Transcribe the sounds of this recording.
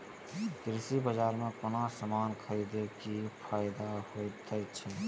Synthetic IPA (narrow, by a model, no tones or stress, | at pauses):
kɾisibəd͡ʒaːɾmekonasəmaːnkʰəɾid̪ekipʰajd̪ahot̪ʰəjt̪t͡ʃʰɛ